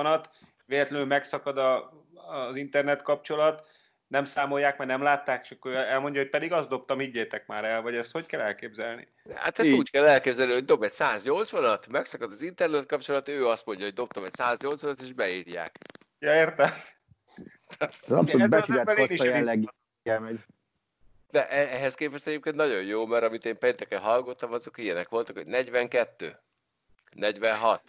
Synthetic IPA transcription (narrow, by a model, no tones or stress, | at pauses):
nɒt̪ | veːlɛt̪lɛnyːmɛksɒkɒd̪ɒː | zint̪ɛrnɛt̪kɒp̚t͡ʃo̞lɒt̪ | nɛmsaːmo̞jːaːkmɛnɛmlaːt̪ːaːkʃɒkːoɛlmo̞ɲɟɒɦoc̚pɛd̪iɡɒzd̪o̞p̚t̪ɒmhiɟːeːt̪ɛk̚ma̰ːɾɛlvɒɟɛst̪hockɛlɛlkeːbzɛlnḭ | ha̰t̪ɛst̪uːckɛlːɛlkeːbzɛlniɦoɟd̪o̞bɛcsaːzɲo̞lt̪sʋɒnɒt̪mɛksɒkɒd̪ɒzint̪ɛrnɛt̪̚kɒp̚t͡ʃo̞lɒt̪øːɒst̪mo̞ɲɟɒɦɟ̚d̪o̞p̚t̪ɒmɛcsaːzɲo̞lt̪sʋɒnɒt̪eːʒbɛiːrja̰ːk | jɒeːrt̪ɛm | t̪at̪ɛ̰mobɛuaːɛliʃlːɛɡ | ɛmɛ | d̪̥ɛʔɛɛɦɛskeːpvɛst̪ɛɟeːp̚keːnt̪nɒɟo̞jjoːmɛɾɒmit̪eːmpeːnt̪ɛkɛnɦɒlɡo̞t̪ːɒmɒzokijɛnɛkʋo̞lt̪ukhoɟnɛɟʋɛŋkɛt̪ːø̰ː | nɛɟʋɛnɦɒt̪